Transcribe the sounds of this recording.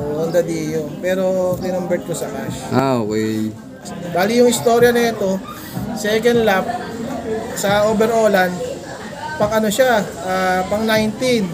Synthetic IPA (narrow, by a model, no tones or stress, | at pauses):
ʔoʔʔʊnd̪ɐd̪ijopɛːɾo̞t̪ɪnʊmbɛt̪̚kosɐkaʃʔaokɛ | baːlijʊŋɪst̪o̞ɾjɐnɐɛt̪o̞ | sɛkɐnd̪lap̚ | sɐʔoːbɛɾʔo̞ːlɐnd̪ | pɐŋɐnoʃaʔapɐŋnajnt̪in